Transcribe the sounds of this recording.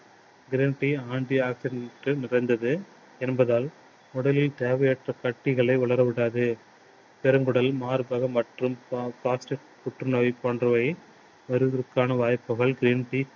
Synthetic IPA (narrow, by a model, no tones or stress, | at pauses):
ɡɪɾiːnʈiaːɳɖiaːksɪɖʈːɯnɪrɐɪnd̪ɐðɯ | ɛnbɐðaːl | mʊɽɐlɪlt̪eːʋɐjɛʈrɐkɐʈːɪɣɐɭɐɪʊɭɐɾɐʋɪɽaːðɯ | pɛɾɯŋɡɯɽɐlmaːɾɯbɐɣɐmɐʈrɯmpɾaːsʈɪʈ | pʊʈrɯnɐʋipoːndrɐʋɐɪ | mɐɾɯðɪɾɯkːaːnɐʋaːjpːɯɣɐɭɡɪɾiːnʈi